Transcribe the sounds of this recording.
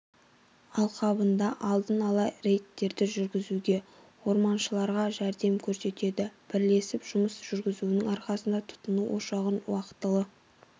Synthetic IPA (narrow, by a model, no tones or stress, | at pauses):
ɑlˠqʰɑbənd̪ɑʔɑlˠd̪ənɑlˠɑjre̞jt̪ːe̞ɾd̪ɪʒʏɾɡʲɪzuɡʲe̞ | wo̞ɾmɑnʃəlˠɑɾʁɑʒæɾd̪e̞mkʲʰɵɾse̞t̪e̞d̪ɪb̥ɪɾle̞sɪpʒ̥ʊməsʒ̥ʏɾɡʲɪzuɪnɪŋɑɾqɑsənd̪ɑt̪ʰʊ̥t̪ənuwʔo̞ʃɑʁənwɑqət̪ːəlˠə